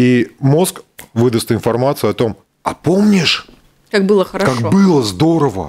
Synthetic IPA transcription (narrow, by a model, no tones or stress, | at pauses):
imo̞skvɨd̪əst̪ɪnfɐrmat̪sɨɐt̪o̞m | ɐ̰pomnʲɪʂ | kak̚bɨlˠəxəɾakakbɨlˠəzd̪o̞ɾəvə̰